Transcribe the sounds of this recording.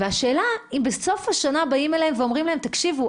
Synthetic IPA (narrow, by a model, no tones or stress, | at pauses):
veaʃe̞ːlaimbeso̞fhaʃanabaimeleemveo̞mʁimlaemt̪akʃivu